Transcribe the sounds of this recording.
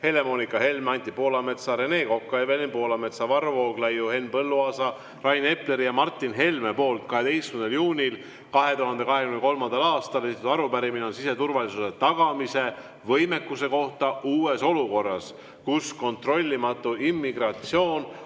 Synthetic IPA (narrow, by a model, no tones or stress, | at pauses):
he̞le̞mo̞nikːˑɑhe̞lmɑnʲt̪ːipo̞ːlɑme̞t̪sɑɾe̞ne̞ːko̞kːɑjɑvelimpo̞ːlɑme̞t̪sɑvɑrvo̞ːɡlɑjuhe̞nːpɤlːuɑːsɑ | rɑjne̞ple̞ɾijɑmɑrt̪ːˑinɦe̞lmepo̞ːlt̪̚kɑɦe̞t̪e̞jskymnd̪ljuːnʲil | kɑɦe̞t̪uɦɑnd̪e̞kɑɦe̞kymneko̞lmɑnd̪̥ɑlɑːst̪ɑle̞sit̪t̪ɑɾupæɾimineo̞nsise̞t̪urvɑlisuse̞t̪ɑɡ̥ɑmise̞ | vɤjme̞kːuse̞ko̞ht̪ɑʔuːe̞so̞luko̞rːɑs | kusko̞nt̪ro̞lʲːimɑt̪ːˑuimːiɡrɑt̪sio̞ːn